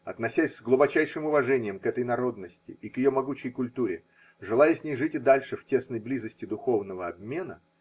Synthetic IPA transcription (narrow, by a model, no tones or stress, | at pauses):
ɐt̪nɐsʲæsʲzɡlˠʊbɐt͡ɕæjʂɨmʊvɐʐɛnʲɪjəmkɛt̪əjnɐɾo̞d̪nəsʲtʲɪikjɪjo̞mɐɡut͡ɕɪjkʊlʲt̪uɾʲɪ | ʐɨlˠajəsʲnʲejʐɨtʲɪd̪alʲʂɨftʲe̞snəjblʲizəsʲtʲɪd̪ʊxo̞vnəvəɐbmʲe̞nə̰